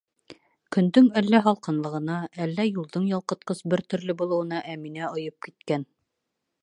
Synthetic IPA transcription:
kɵ̆nd̪ɵŋælːæɦɒlˠqɤ̆nlˠɤ̆ʁɤ̆nɑælːæjulˠd̪ɤɴjɒlˠqɤ̆t̪̚qɤsbɘɾt̪ɵ̆ɾlɘbulˠɤ̆wɤ̆nɑʔæminæŏjɤp̚kit̪kæn

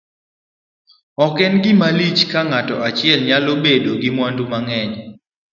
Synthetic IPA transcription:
ɔkɛnɡɪmalit͡ʃkaŋatɔat͡ʃɪɛlɲalobedoɡɪmwandumaŋɛɲ

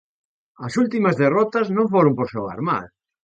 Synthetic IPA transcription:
ɐsult̪imɐzðerɔt̪ɐznõɱfoɾõmpoɾsowa̰ɾma̰l

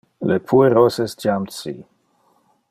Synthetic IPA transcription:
lepʰueɾosesd͡ʒamt͡sḭ

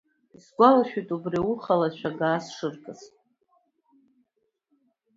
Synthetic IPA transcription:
zɡʷalaʃʲᶣujtʼubriwuχalaʃʷʰᶣaɡaːsʂɨrkʼɨsʼ

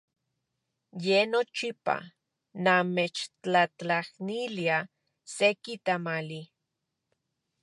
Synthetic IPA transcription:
jenot͡ʃipa̰ | namet͡ʃt͡ɬat͡ɬahnilia | sekit̪amali

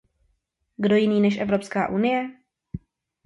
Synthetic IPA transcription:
ɡdo̞jɪniːnɛʃʔɛvɾo̞pska̰ːʔunɪjɛ

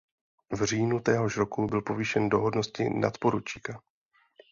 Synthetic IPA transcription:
vr̝iːnut̪ɛːɦo̞ʃɾo̞kubɪlpo̞viʃɛndo̞ɦo̞dnoscɪ̰na̰t̪po̞ɾut͡ʃiːka

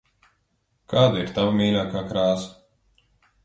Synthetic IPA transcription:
kʰaːd̪aiɾt̪avamiːlʲaːkaːkɾaːsɐ̥

